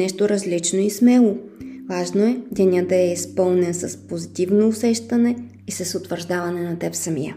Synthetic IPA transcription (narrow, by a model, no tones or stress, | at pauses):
nɛʃt̪oɾɐzlit͡ʃnoismɛlˠo | vaʒnoɛd̪ɛnʲəd̪ɐɛispɤlˠnɛnsɐspozit̪ivnoʊsɛʃt̪ɐnɛ | isɐsʊt̪vəɾʒd̪avɐnɛnɐt̪ɛpsɐmijə̰